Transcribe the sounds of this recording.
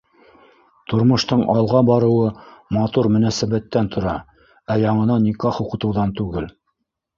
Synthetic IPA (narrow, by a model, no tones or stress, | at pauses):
t̪ŏɾmŏʃt̪ɤɴʔɑlˠʁɑbɑɾɤ̆wɤmɑt̪uɾmɵ̆næsæβæt̪ːænt̪ʰŏɾɑ | æjɑɴɤ̆nɑnʲikɑχŭqɤ̆t̪ɤ̆wðɑnt̪ʉɡɘl